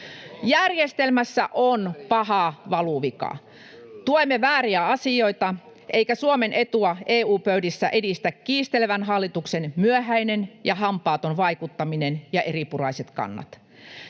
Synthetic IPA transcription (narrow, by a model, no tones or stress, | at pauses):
jærjest̪elmæsːæ̰ʔonpɑhɑʋɑluʋikɑ̰ | t̪uoimːeʋæːriæɑsio̞it̪ɑ | ʔeikæsuomenʔet̪uɑʔeːuːpøydisːæʔedist̪ækːiːst̪eleʋænɦɑlːit̪uksenmyøɦæinenjɑɦɑmpɑːt̪onʋɑikut̪ːɑminenjɑʔeripurɑiset̪kɑ̰nːɑ̰t̪